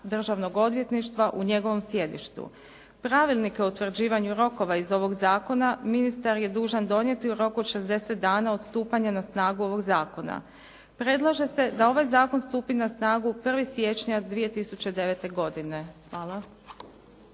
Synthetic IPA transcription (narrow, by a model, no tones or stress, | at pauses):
d̪r̩ʒaʋno̞ɡo̞d̪ʋje̞t̪niʃt̪ʋaʔuɲe̞ɡo̞ʋo̞msje̞d̪ḭʃt̪ṵ | pɾaʋilˠnike̞out̪ʋr̩d͡ʑiːʋaɲuɾo̞ko̞ʋaizo̞ʋo̞ɡzaːko̞naminist̪aɾje̞d̪uːʒand̪o̞nje̞t̪iuɾo̞kuod̪ʃe̞zd̪e̞se̞t̪̚d̪aːnao̞d̪st̪uːpaɲanasnaːɡuo̞ʋo̞ɡzaːko̞na̰ | pɾe̞d̪lˠaʒe̞se̞d̪ao̞ʋajzaːko̞nst̪uːpinasnaːɡupr̩ʋisje̞t͡ʃɲad̪ʋije̞t̪isut͡ɕe̞d̪e̞ʋe̞t̪e̞ɡo̞d̪ine̞xʋaːlˠa